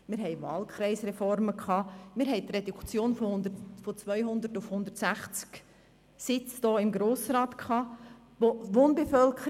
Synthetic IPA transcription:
mɪːɾɦɛɪvɑːlkʰɾɛɪsɾɛfɔɾməkʰɑːmɪɾɦɛɪjt̪redukt͡sjoːnfondəfot͡svœʏɦʊnd̪ətʊfhʊnd̪ətsæχt͡sk | sɪt͡sd̥oːɪmɡɾoːsɾɑːtkʰɑː | oʋoːnbefœlkʰə

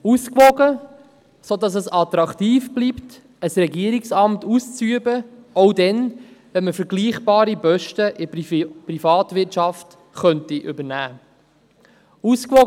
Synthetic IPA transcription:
uskvɔɡə | sodɑs̬əsɑt̪ɾɑktiːfb̥lipt | əsɾɛɡiəɾiksɑmtust͡syəbəɔwdɛnʋɛnməfəɾɡliːχb̥ɑːɾibœʃtəʔɪprifɑːtvɪtt͡ʃɑft | χœntiʔʏbənæː | uskʋɔ

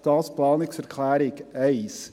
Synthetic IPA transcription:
t̪ɑːt̪spʰlɑːnɪkfœɾkʰlæːɾɪkœɪs

